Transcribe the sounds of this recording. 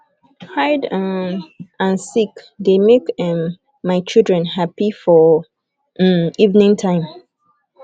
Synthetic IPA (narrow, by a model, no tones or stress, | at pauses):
haɪd | ãnsik | demekɛ̃mː | aɪt͡ʃildɹɛ̃nɦapifɔ | ivnĩŋtʰãɪ̃m